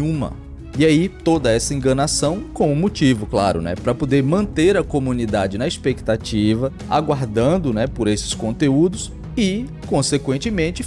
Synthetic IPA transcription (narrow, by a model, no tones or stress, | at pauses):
ũmɐ̰ | iait̪od̪ɐɛsɐẽŋɡɐnasɐ̃w̃kõw̃ũmot͡ʃivʊkla̰ɾʊ̰nɛ̰pɾɐpod̪eɾmɐ̃nt̪eɾɐkomũnid̪ad͡ʒɪnɐispekt̪at͡ʃivɐ | a̰ɡwaɾd̪ɐ̃nd̪ʊnɛpoɾesɪ̥skõnt̪eud̪ʊs | ɪ | kõsekwẽnt͡ʃɪmẽnt͡ʃɪ